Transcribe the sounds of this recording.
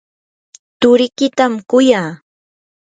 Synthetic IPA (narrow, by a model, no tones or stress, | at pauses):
t̪ʊɾɪkɪt̪amkʊjaː